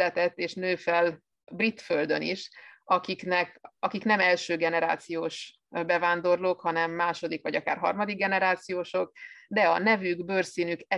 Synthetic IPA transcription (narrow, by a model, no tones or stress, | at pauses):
ɛt̪ɛt̪ːeːʃnøːfɛl | brit̪føld̪øniʃɒkiknɛkɒkiknɛmɛlʃøːɡɛnɛɾa̰ːt̪sijoːʃ | bɛvaːnd̪o̞rloːkhɒnɛmːaːʃo̞d̪ikʋɒɟɒka̰ːrɦɒ̰rmɒd̪iɡɛnɛɾaːt̪sijoːʃo̞kd̪ɛɒnɛvyɡbøːrsiːnykɛ